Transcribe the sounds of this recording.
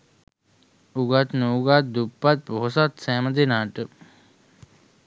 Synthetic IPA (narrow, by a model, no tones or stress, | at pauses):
uɡat̪nuːɡat̪̚d̪upːat̪̚poɦosat̪sæːməd̪enaːʈə